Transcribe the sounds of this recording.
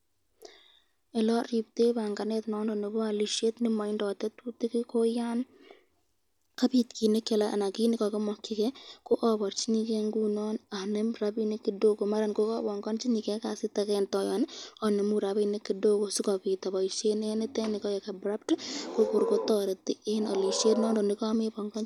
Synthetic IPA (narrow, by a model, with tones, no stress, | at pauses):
ɛ˨lɔ˦ri˨pte˦ba˨ŋɡa˨nɛ˦tnɔ˨˦ndɔ˨ne˨bɔ˦a˨li˨ʃe˦tnɪ˦ma˨ɪ˦ndɔ˨tɛ˦tu˦ti˦kɪ˦ko˦ja˦n | ka˦pi˨tkʰi˨ne˦ke˨laʔa̰˨na˨ki˦nɪ˦kɔ˨kɪ˦mɔ˨kːɪ˦kɛ˦ko˦ʔɔ˦bɔ˨ɾt͡ʃi˦ni˦ke˦ŋɡu˦nɔ˦na˨nɛ˦mɾa˦bi˦ni˦ki˨do˦ko˨ma˦ɾa˨nko˦kɔ˦bɔ˨ŋɡɔ˦nt͡ʃi˦ni˨kɛ˦ka˨sɪ˦ta˦kɛntɔ˨jɔna˨ne˨mu˦ɾa˨bine˦kːi˨do˦ko˨su˦kɔ˨pi˨ta˨ba˨i˨ʃe˦ne˦nɪ˦tɛ˦ni˨kɔ˦je˨ka˨bɾa˦p̚tko˦ko˨ɾko˦tɔ˨ɾe˨ti˦ena̰˨li˨ʃe˦tnɔː˦ndɔ˨nɪ˦kɔ˦me˦bɔ˨ŋɡɔ˦n